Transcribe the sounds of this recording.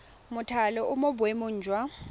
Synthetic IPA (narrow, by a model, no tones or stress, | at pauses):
mʊtʰalɔʔʊmʊbʊemʊɲ̩ːd͡ʒʱwa